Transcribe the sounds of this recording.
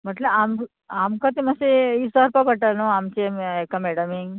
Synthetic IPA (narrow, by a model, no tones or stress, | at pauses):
mɐʈlɐaːm | aːmkat̪imɐseisaːɾpaːpɐʈːalnuaːmt͡ʃemekːɐmeɽɐmiŋ